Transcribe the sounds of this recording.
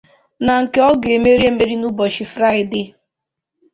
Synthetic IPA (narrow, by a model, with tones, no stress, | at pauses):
na˨ŋ̩˨ke˦ɔ˦ɡe˨me˦ɾi˦e˦me˦ɾi˦nu˦bɔ˨ʃi˨fɾa˦ɪ˨dɪ˦